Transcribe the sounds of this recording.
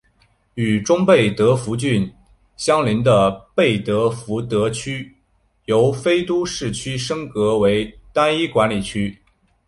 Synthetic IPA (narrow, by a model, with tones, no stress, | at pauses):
y˨˩ʈ͡ʂʊ˥ŋpe˥˩ɪt̪ɤ˧˥fu˧˥t͡ɕy˥˩n | ɕjɑ˥ŋli˧˥nd̪ə˧pe˥˩ɪt̪ɤ˧˥fu˧˥t̪ɤ˧˥t͡ɕʰy˥ | jo˧˥ʊfe˥ɪt̪u˥ʂɻ̩˥˩t͡ɕʰy˥ʂɤ˥ŋkɤ˧˥we˧˥ɪt̪a˥ni˥kwa˧˥nli˨˩t͡ɕʰy˥